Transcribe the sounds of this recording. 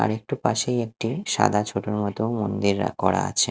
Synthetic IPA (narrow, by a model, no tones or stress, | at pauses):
a̰ɾek̚ʈupaʃejek̚ʈiʃa̰d̪ʱat͡ɕʰoʈoɾmɔt̪omond̪iɾːa̰kɔɽa̰at͡ɕʰe